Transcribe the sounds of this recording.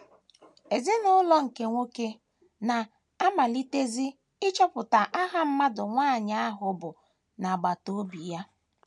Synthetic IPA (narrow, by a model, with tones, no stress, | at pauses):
e˨zi˦nʊ˦lɔ˦ŋ̩˨ke˦ŋʷo˦ke˦ | na˨ | a˦ma˨li˦te˦zi˦ | ɪ˦t͡ʃɔ˦pʊ˨ta˨ʔa˦ɦa˦m̩˦ma˦dʊ˨ŋʷaː˦˨ɲa˦a˦ɦʊ˨bʊ˨ | na˨ɡ͡ba˨to˦bi˨ja˦